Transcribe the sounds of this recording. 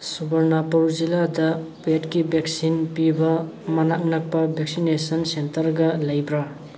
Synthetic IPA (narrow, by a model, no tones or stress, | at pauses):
subɐɾnapɐɾuziladɐpetkibeksinpibɐ | mɐnak̚nɐk̚pɐbʱeksinesɐnsentɐɾɡɐlɐjbɾa